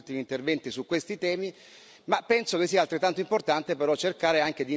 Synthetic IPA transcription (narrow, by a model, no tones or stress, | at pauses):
lt̪imiːnt̪ervɛnt̪isukːwest̪it̪ɛːmi | mapːɛnsokesːiːalt̪ɾet̪ːant̪oimport̪ant̪epeɾɔt͡ʃːerkaːɾeaŋk̟ed̪i